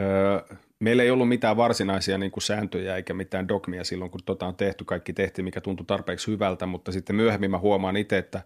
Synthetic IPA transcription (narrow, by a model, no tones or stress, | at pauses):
əː | meilːeiolːummit̪æːʋʋɑrsinɑisiɑniːŋkusæːnt̪øjæeikæmit̪ˑæːndokmiæsilːoŋkunt̪ot̪ɑont̪eht̪ykɑikːit̪eht̪imikæt̪unt̪ut̪ɑrpeːkshyʋælt̪æmut̪ːɑsit̪ːemmyøhemːimmæhuomɑːnit̪eet̪ːæ